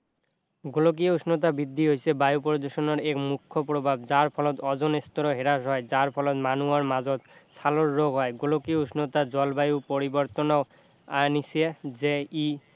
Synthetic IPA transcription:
ɡolok̬iuʃnot̪̬abid̪ʱːiɦojsʰebajupoɾod̪oʃonoɾekmukʰːopɾobʱabd͡ʑaɾpʰɔlɔt̪ɔd͡ʑonest̪oɾoɦeɾaʃɦɔed͡ʑaɾpʰɔlɔt̪manuaɾmad͡ʑot̪sʰaloɾːoɡɦɔeɡolokiuʃnot̪ad͡ʑɔlbajupoɾiboɾt̪ono | anisʰed͡ʑei

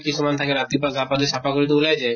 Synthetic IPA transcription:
kisumant̪ʰakeɾat̪ipaɡapad̪eʃapakoɾit̪̬oulajd͡ʑa

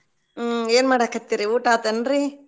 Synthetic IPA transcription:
eːnmaːɽakɐt̪ːiɾiuːʈaːt̪ɐnɾi

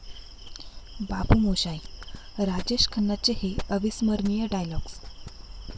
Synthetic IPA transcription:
bapumoɕajɾad͡ʑeɕkʰənːat͡ɕeheəʋisməɾnijəɖajlɔɡs

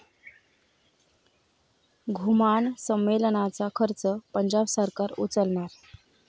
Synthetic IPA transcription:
ɡʱumaɳsəmːelnat͡sakʰəɾt͡səpəɲd͡ʑabsəɾkaɾṵt͡səlɳaɾ

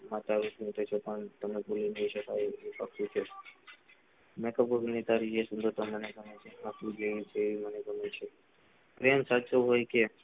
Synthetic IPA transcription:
mat̪aʋusũnt̪ʰet͡ʃʰopəɳt̪əmepulinəɦĩʃəkajeipaktũt͡ʃʰe | mekəbəɡnit̪aɾiesund̪əɾt̪oməneɡʱəmet͡ʃʰeakud͡ʒeʋit͡ʃʰeːʋiməneɡʱəmet͡ʃʰe | pɾemsat͡ʃoɦojke

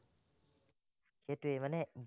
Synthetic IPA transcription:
kʰetwemənɛʔb

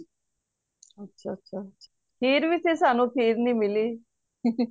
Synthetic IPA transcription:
ətːʃʰaːətːʃʰaːtːʃʰaːpʰiːɾʋiːsʰeːsaːnũːpʰiːɾnĩːmɪliː

